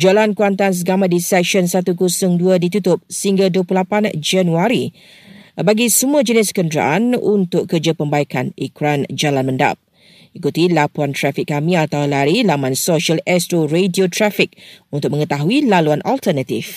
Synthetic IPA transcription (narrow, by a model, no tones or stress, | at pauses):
d͡ʒalankuant̪ans̬ɡamat̪̚disɛkʃɔnsat̪ukusʊŋduədit̪ut̪ʊp̚səhiŋɡaduəplulapand͡ʒanuaɾi | baɡisəmũəd͡ʒənɪskəndɾa̰ʔanunt̪ʊkkərd͡ʒapəmbaikanikɾand͡ʒalanmə̃nda̰p̚ | ikut̪ilapuant̪ɾafɪkːamĩat̪awlaɾilamãnsoʃialɛst̪ɾoɾediot̪ɾafɪk̚unt̪ʊk̚mə̃ŋət̪aɦuilaluanʔalt̪ərnat̪if